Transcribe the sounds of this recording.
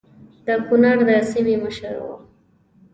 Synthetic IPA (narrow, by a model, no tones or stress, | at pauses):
d̪əkʊnaɾd̪əsimeməʃəɾwo̰